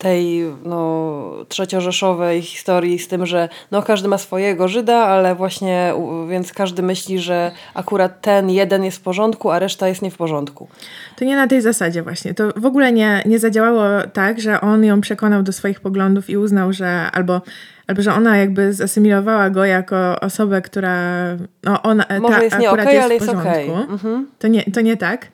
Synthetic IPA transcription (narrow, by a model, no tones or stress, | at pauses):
t̪ɛjnɔtʂɛt͡ɕɔʐɛʂɔvɛjxʲi̥st̪ɔɾjist̪ɘmʐɛnɔkaʐd̪ɘmasfɔjɛɡɔʐɘd̪aalɛvwaɕɲɛṵvʲjɛnt̪skaʐd̪ɘmɘɕlʲiʐɛʔakuɾat̪ːɛnjɛd̪ɛnjɛst̪fpɔʐɔnt̪kuaɾɛʂt̪ajɛst̪ɲɛfpɔʐɔnt̪kut̪ɔɲɛnat̪ɛjzasad͡ʑɛvwʔaɕɲɛt̪ɔvɔɡulɛɲɛɲɛzad͡ʑawawɔt̪aɡʐɛʔɔnjɔ̃w̃pʂɛkɔnawd̪ɔsfɔjixpɔɡlɔnd̪ufiuznawʐɛa̰lbɔʔalbɔʐɛɔnajaɡ̚bɘzasɘmʲilɔvawaɡɔjakɔɔ̰sɔbɛkt̪uɾanɔʔɔnamɔajɛsaɲɛuɾatɛjɛalɛjɛspɔʐɔnɛjkut̪ɔɲɛt̪ɔɲɛt̪ak